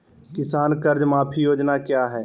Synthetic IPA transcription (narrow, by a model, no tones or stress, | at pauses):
kɪsaːnkəɾd͡ʒmaːpʰijoːd͡ʒnakjaːɦɛː